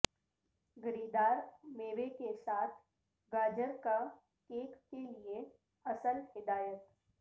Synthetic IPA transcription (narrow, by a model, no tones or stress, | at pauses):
ɡɐɾiːd̪aːɾmeːʋekesaːt̪ʰ | ɡaːd͡ʒəɾka | keːkːelie | ɐsəlhɪd̪aːjət̪